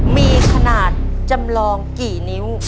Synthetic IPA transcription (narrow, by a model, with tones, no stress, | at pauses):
miː˧kʰa˧naː˨˩t̪̚t͡ɕa˧mlɔː˧ŋkiː˨˩ni˦˥w